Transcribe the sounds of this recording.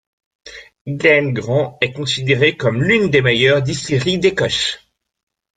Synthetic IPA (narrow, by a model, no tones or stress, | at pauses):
ɡlɛnɡʁɑ̃ɛkɔ̃sid̪eʁekɔmlynd̪emejœʁd̪iseʁid̪ekɔʃ